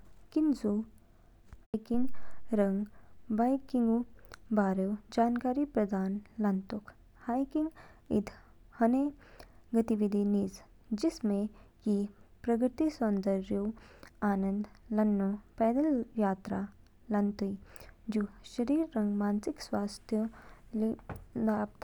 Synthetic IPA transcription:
kinzu | ajkiŋɡɾɐ̃ŋɡbajkiŋɡubaːɾewd͡ʒaːnkaːɾipɾɐd̪ʱaːnlɐnt̪uk | hajkiŋɡ | ḭd̪ʰʱ | hɐneɡɐt̪iʋid̪ʱiniːz | d͡ʒɪsmẽkipɾɐɡɾt̪isɐnd̪əɾjowaːnə̃nd̪lɐnːopɛːd̪əljaːt̪ɾa | lɐnt̪uid͡ʒuʃɐɾiːɾːɐ̃ŋɡmaːnsɪkswaːst̪ʰjollaːpt̪

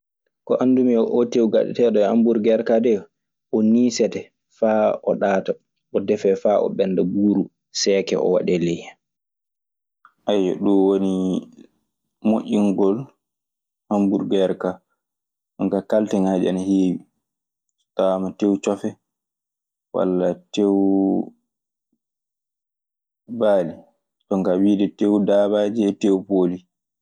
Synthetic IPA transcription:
kɔʔandumiɔʔotewɡa̰ɗɛ̰tɛɗɔha̰mbuɾɡɛɾkadɛ | ʔɔniːsɛtɛ | faːʔɔɗaːta | ɔdɛfɛfaʔɔ̰ɓɛnːdabuːɾu | sɛːkɛ̰ʔɔ̰wa̰ɗɛlɛj | ʔajɔ̰ɗuwoni | moʔʲːiŋɡɔl | hambuɾɡɛɾka | ɗɔŋkakaltɛŋaːd͡ʒɛanaheːwi | tamatewt͡ʃɔfɛ | wa̰lːatew | baːli | tɔŋkawiːɗɛtewdaːbaːd͡ʒɛɛtewpoːli

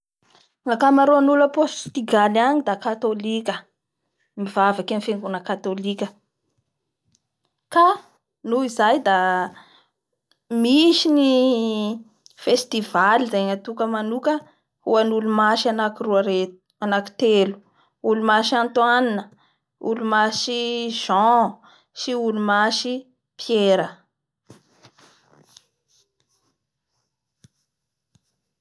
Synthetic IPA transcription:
ŋakamaɾoanuləpost̪iɡalaɲid̪akat̪olikʲə | mivavakanfeŋɡunəkat̪olikʲə | ka | nuizajd̪a | miʃini | fest̪ivalizajŋat̪ukəmanukə | huanulumaʃanakiruaɾet̪u̥ | anaki̥t̪elu̥ | ulumaʃãnt̪waninə | ṵlumaʃiʒ̥ɑ̃ | siulumaʃi | pʰjeɾə

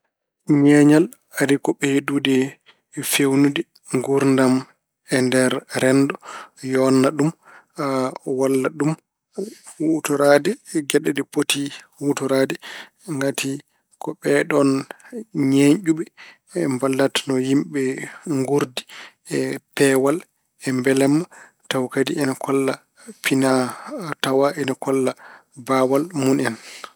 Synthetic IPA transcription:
ɲɛɲal | aɾikɔɓɛhdudɛ | fewnudɛ | ŋɡuɾndam | ɛndɛɾɾɛndɔjɔnːaɗum | walːaɗum | hutuɾadɛɡɛɗɛdɛpotihutuɾaːdɛ | ŋɡatʰi | kɔɓɛɗɔn | ɲeɲʔuɓɛ | ɛmbalːatnɔjimɓɛŋɡuɾdi̥ | ɛpɛwal | ɛmbɛlɛmːa | tawkadiʔɛnakʰɔlːa | pʰinatawaʔɛnakɔlːabawalmunɛn

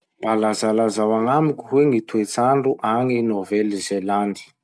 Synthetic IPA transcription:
balazalazawaŋamikʲuɦweŋit̪uet͡saɳɖ͡ʐuʔaŋinovɛlizeland̪i̥

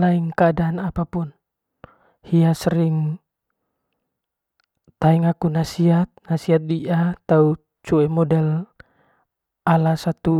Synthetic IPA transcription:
laiŋkəadaːnapapun | hiasəɾɪŋ | t̪aiŋakunasiɦat̪̚nasiɦat̪̚diʔat̪au | t͡ʃuɛmɔdɛl | ʔalasat̪u

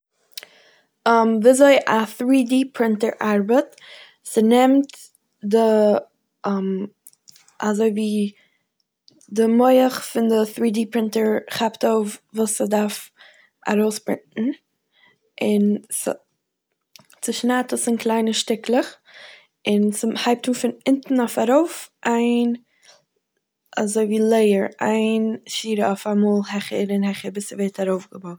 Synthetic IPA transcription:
əmvɪzoɪʔaθɾiːdiːpʰɾɪntəɹʔaɾbət | sənɛmt | də | əm | azoɪviː | dəmoɪəχfɪndəθɾiːdiːpɾɪntəɹχaptoʊfvuːsədaɾf | a̰ɾoʊsbɾɪ̰ntn̩ | ɪns | t͡sɪʃnatəsɪnklˠaɪnəʃtɪkʰlˠəχ | ɪnshaɪp̚tuːfɪnɪntn̩ofaɾoʊfʔaɪn | azoɪviːlˠeɪəɾa̰ɪnʃiːɾəofamɔːlˠɦɛχəɾɪnhɛχəɾbɪsəveɪtaɾoʊfɡəbon

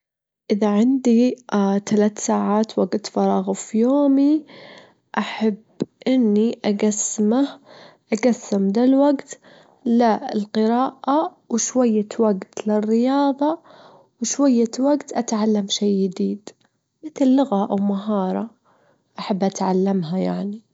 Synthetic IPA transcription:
ʔɪðaʕɪnd̪it̪alaːt̪saːʕaːt̪waɡt̪fɑɾˤɑːɣfijoːmi | ʔaħabːʔɪnːiʔaɡasːmahʔaɡasːamd̪alwaɡt̪ | lɪlqɨɾɑːʔa | wɪʃwajːawaɡt̪lɪrːɪjɑːðˤɑ | wɪʃwajːawaɡt̪ʔat̪ʕalːamʃeːɪd̪iːd̪ | mɪt̪lːʊɣaʔawmaɦɑːɾˤɑ | ʔaħabːʔat̪ʕalːamɦaja̰ʕni

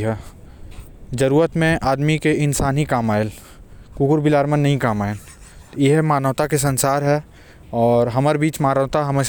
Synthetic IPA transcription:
ɦɛː | d͡ʒɐɾuːɾət̪mẽʔaːd̪mikeɪnsaːnɦikaːmaːɪl | kuːkʊɾbɪlaːɾmənːɐɦĩkaːmaːɪleɦmaːnəʋt̪akes̬ɐ̃nsaːɾɦɛː | ɔːɾɦɐmaːɾebiːt͡ʃmaːnəʋt̪aɦɐmẽ

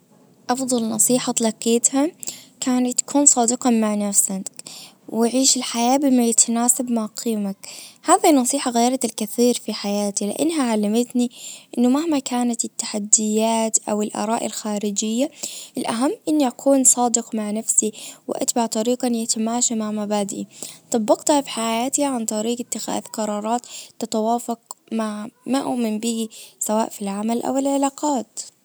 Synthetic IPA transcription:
ʔɑfðˤɑlnɑsˤiːħɑt̪lɑqːiːt̪hakaːnat̪ːkʰuːnsˤɑːd̪ɨqɑmaʕnafsak | wɪʕiːʃɪlħajaːbɪmajat̪ʰanaːsabmaʕqʰiːmakhaːðinːɑsˤiːħɑɣaːjːɾˤɑt̪lkɪθiːɾfiħajaːt̪ilɪ̰ʔɪ̰nɦaʕalːamɪt̪niʔɪnːʊmahmakaːnat̪ɪt̪ːḁħad̪ːɪjːaːt̪ʔawɪlʔɑ̰ɾˤɑːʔɪ̰lxaːɾɪd͡ʒɪjːaʔɪlʔaɦamːʔɪnːiʔakʰuːnsˤɑːd̪ɪqmaʕnafsiwɪ̰ʔa̰t̪baʕt̪ˤɑɾiːqɑnjat̪amaːʃamaʕmabaːd̪ʔit̪ˤɑbːɑqt̪hafi̥ħajaːt̪iʕant̪ˤɑɾiːqɪt̪ːɪxa̰ːθqɑɾˤɑːɾˤɑːt̪ːɪt̪awaːfɑqmaʕmaːʔʊʔmɪmbiːsawaːʔfilʕamalʔa̰wɪlʕɪlaːqɑːt̪

